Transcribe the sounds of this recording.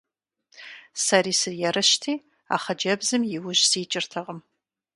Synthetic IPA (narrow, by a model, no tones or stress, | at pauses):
sɐriːsɨrjɛrɨʃtʰiː | a̰ːχɐd͡ʒɐbzɨmjɪwʊʒsiːt͡ʃʼɪrtʰɐʁəm